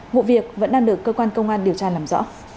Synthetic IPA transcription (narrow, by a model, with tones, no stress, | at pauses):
vṵ˧˨vi˨˩ək̚və̰˧˥nɗaː˧ŋɗɨ˨˩əkːəː˧kwaː˧nkə˧wŋ͡mʔaː˧nɗi˨˩əwt͡ɕaː˧laː˨˩mzɔ̰˧˥